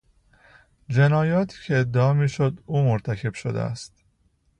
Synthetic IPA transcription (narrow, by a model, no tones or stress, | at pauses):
d͡ʒe̞nɒːjɒːt̪ʰi̥ːcʰeːd̪ːeɒːmiːʃo̞d̪uːmoɾt̪ʰæcʰe̞b̥ʃod̪ḛæ̰st̪